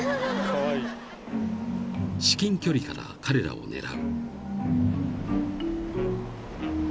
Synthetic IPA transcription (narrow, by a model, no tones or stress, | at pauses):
ɕi̥kʲĩŋkʲo̞ɾʲikaɾakʰaɾe̞ɾa̰o̞̰ne̞̰ɾa̰ɯ̟